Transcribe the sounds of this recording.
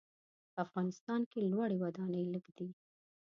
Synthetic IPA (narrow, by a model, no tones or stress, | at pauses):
pəafɣɑnɪst̪ɑnkelwaɽewad̪ɑnəjləɡd̪i